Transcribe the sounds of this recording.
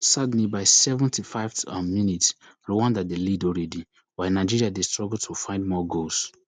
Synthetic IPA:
sadn̩ibaɪsɛvə̃ntʰifaɪvtamjunitsɹowãndadelidɔlɹɛdi | waɪnaɪd͡ʒiɹiadestɹɔɡul̩tʰofãɪ̃ndmɔɡos

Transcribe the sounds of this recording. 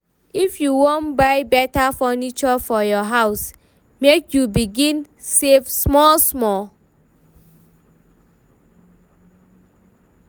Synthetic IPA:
ifjuwõnbaɪbɛtafɔnit͡ʃɔfɔjɔɦaʊs | mekjubiɡĩn | sevsmɔlsmɔl

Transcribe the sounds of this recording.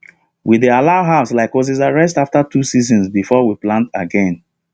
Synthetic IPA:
widealaʊɦaʊslaɪkwɔs̬izaɹɛs̬taftatusizɔ̃nsbifɔwiplãntaɡɛ̃n

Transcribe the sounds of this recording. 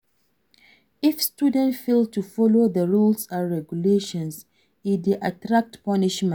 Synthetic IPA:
ifstudə̃ntfeltufɔloðəɹulsaɹɛɡjuleʃɔ̃ns | idiʔatɹak̚tpɔniʃmɛ̃n

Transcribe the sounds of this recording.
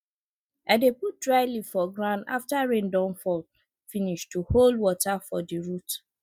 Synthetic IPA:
aɪdeput̚dɹaɪlifɔɡɹãna̰ftaɹẽndɔ̃nfɔl | finiʃtuholdwɔtafɔdiɹut

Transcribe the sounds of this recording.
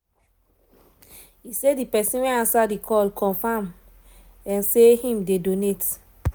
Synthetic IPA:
isedipɛsĩnwɛ̃nãnsadikʰɔlkʰɔ̃nfam | ɛ̃nsehĩmdedonet

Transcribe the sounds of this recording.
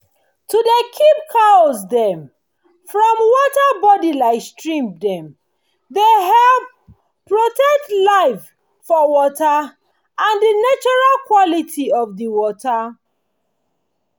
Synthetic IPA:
tʰudekʰip̚kʰasdɛ̃m | fɹɔ̃mwɔtabɔdilaɪstɹĩmdɛ̃m | deɦɛlp | pːɹotɛk̚tlaɪf | fɔwɔta | ãndinat͡ʃɔɹalkwɔlitʰiɔvdiwɔta

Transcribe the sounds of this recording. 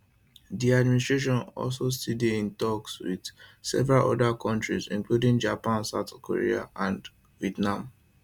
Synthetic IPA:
diadministɹeʃ̬ɔ̃nɔ̰lsostideĩntɔkswḭd̥sɛ̰vɛɹalɔ̰dakʰɔ̃ntɹizḭ̃ŋkludĩŋd͡ʒapãnsaʊtkʰo̰ɹḭa̰ʔãnd | viɛtnãm

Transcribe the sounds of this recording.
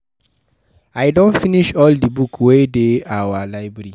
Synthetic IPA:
ajdõnfĩniʃɔldibukʰwedeawalaɪbɹɾi

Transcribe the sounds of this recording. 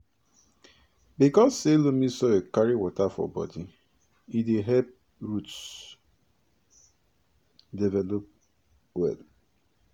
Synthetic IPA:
bikɔsːelomisɔekaɾiwɔtafɔ̰bɔ̰di | ideɦɛp̚ | ɹuts | dɛvɛlop̚ | wɛ̰l

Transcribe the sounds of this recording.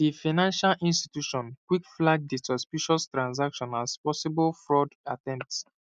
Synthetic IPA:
difanãnʃalʔĩnstitjuʃɔ̃nkwikflaɡ̚disɔspiʃɔstɹãns̬akʃɔ̃naspɔsibɔlfɹɔdatɛ̃m̚ts

